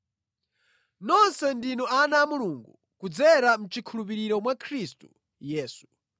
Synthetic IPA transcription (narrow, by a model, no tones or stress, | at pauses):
nɔnsɛndinɔanaːmuluŋɡu | kud͡zɛɾam̩t͡ʃikʰulup̬iɾiɾɔmwakʰɾistu̥ | jɛːsu̥